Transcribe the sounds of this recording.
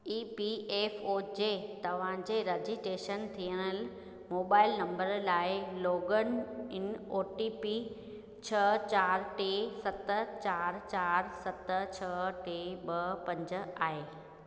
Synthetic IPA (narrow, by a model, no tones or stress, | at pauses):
iːpieːfod͡ʑeːt̪ɐʋ̤ãd͡ʑeːɾɐd͡ʑiʈeːʃənt̪ʰijəɽ̃əl | moːbaːɪlnɐ̃mbəɾlaːɪloːɡənɪnoːʈipi | t͡ɕʰɐt͡ɕaːɾʈeːsɐt̪ət͡ɕaːɾt͡ɕaːɾsɐt̪t͡ɕʰɐʈeːɓɐpɐ̃ɲd͡ʑ̆aːɦeː